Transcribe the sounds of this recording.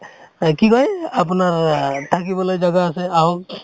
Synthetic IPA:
kikɔjapnaɹtʰakibɔlojd͡ʒaɡaːsɛaw

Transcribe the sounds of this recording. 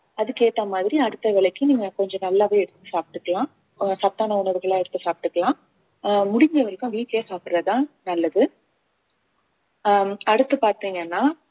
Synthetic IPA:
ɐðɯkeːʈːɐmaːðɪɾiɐɽɯt̪ːɐʋɪɭɐkːɯniːŋɡɐkɔɲd͡ʒɔ̃nɐlːaʋeːɛɽɯt̪ːɯsaːp̚ɪʈːɯkːɐɭãː | sɐp̚t̪ːaːnɐʊɳɐʋɯɣɐɭaːɛɽɯt̪ːɯsaːp̚ɪʈːɯkːɐɭlãː | mʊɽɪŋɡɾɐʋɐɾɪkːʊ̃ʋiːkleːsaːpɽɯɾɐt̪ãːnɐlːɐðɯ | ɐɽɯt̪ːɯpaːɾt̪iːŋɡɐnːaː

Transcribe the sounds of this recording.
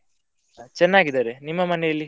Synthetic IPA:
t͡ʃɛnːaːɡid̪aːɾenimːɐmɐnɛjɐlːi

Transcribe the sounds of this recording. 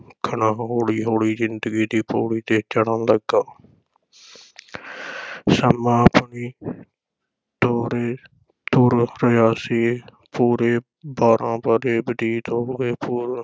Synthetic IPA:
kʰəɳãːɦoːɽiːɦoːɽiːzɪnd̪əɡiːd̪iːpoːɽiːt̪eːt͡ʃəɽənləɡaː | səmãːpniː | t̪oːɾeː | t̪uːɾɾəjaːsiː | puːɾeː | baːɾʔãːpəɾeːbəd̪iːt̪oːɡeːpuːɾ

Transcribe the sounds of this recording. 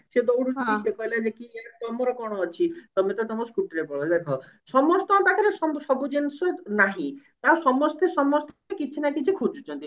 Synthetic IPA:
sed̪ɔwɽud͡ʒisekɔɦilad͡ʒekiaɾt̪ɔmɔɾɔkɔɽ̃ɔːt͡ʃʰit̪ɔmet̪ɔt̪ɔmɔskuʈɾepɔɭɔd͡ʒekʰɔ | sɔmɔst̪ɔ̃t̪akʰɔɾesɔsɔbud͡ʒensɔnaɦĩ | t̪awsɔmɔst̪esɔmɔst̪ʰɔekit͡ʃʰinakit͡ʃʰikʰud͡ʒʰu̥t͡ʃʰɔnt̪i

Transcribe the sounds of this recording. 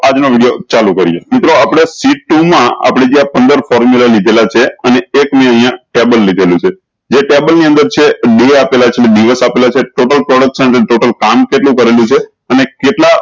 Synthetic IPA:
ad͡ʒnoʋiɽijot͡ʃalũkəɾijḛmɪt̪ɾoapɽ̃esiʈːumãa̰pɽ̃ed͡ʒiãpənd̪əɾfɔɾmjulalid̪ʱelat͡ʃʰeəneːkmĩə̃ɦijãʈebəlːid̪ʱelũt͡ʃʰe | d͡ʒeʈebəlniə̃nd̪əɾt͡ʃʰeɖeapelat͡ʃʰeeɖiʋəsapelat͡ʃʰeʈoʈəlpɾɔɽək̚sənəʈeʈoʈəlkamkeʈlũkəɾelũt͡ʃʰe | ənekeʈla

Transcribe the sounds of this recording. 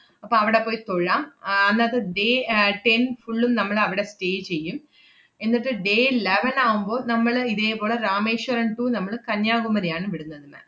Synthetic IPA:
ɐpːoːɐʋiɽepːo̞ːjit̪oɻaːmɐnːaːt̪ːeɖeːʈe̞nfuɭːumnɐmːɐɭɐʋiɽe̞ste̞ːt͡ɕe̞jːum | e̞nːiʈːɨɖe̞ːleʋɐnaːɣumbo̞ːnɐmːɐɭiðeːpo̞ːɭeraːmeːʂwɐɾɐɳʈuːnɐmːɐɭkɐɲjaːɡumɐɾijaːɳɨʋiɽunːɐðɨmɐ̰ːn

